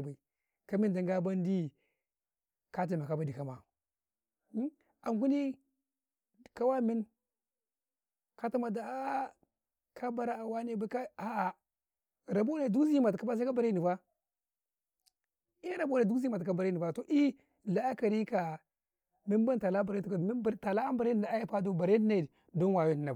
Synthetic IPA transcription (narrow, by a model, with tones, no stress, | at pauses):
ba˨i˨ | ka˦mi˦n˨da˨ŋ˦ɡa˦ba˦n˦di˦ | ka˦t̬i˨a˨ka˨ba˦di˨ka˨ma̰˨˦ | a˨ŋku˦ni˦ | ka˦wa˦mi˦n | ka˦ta˦ma˨da˨a˦ | kʰa˦ba˦ɾa˦a˨wa˦ni˦˨ba˨i˦ka˦a˦˨ | ɾa˨bo˦a˨du˦zi˦ma˨tka˦ba˦s̬a˦ba˨ɾa˦ni˨va˦ | i˦ɾa˨ba˨du˦zi˦ma˨tka˦ba˨ɾa˦ni˨a˦to˨ʔi˦ | la˦ka˨ɾi˦ka˨ | mi˦n˦ba˦nta˨la˦btu˨ka˨˦˨ta˨la˦a˦m˦ba˨ɾn˨na˨a˦ji˦pa˦do˦ba˨ɾe˦n˦na˨ | do˦nwa˨ji˦ni˨na˨